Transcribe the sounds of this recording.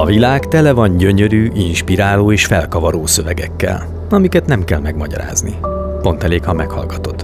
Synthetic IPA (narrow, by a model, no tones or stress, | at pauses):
ɒvilaːkt̪ɛlɛvɒɲɟø̞ɲø̞ɾyːʔinʃpiɾaːloːeːʃfɛlkɒvɒɾoːsø̞vɛɡɛkːɛ̰l | ɒmikɛt̪nɛmkɛlmɛɡmɒɟɒ̰ɾa̰ːznḭ | po̞nt̪ɛleːkhɒmɛkhɒ̰lɡɒt̪o̞t̪ː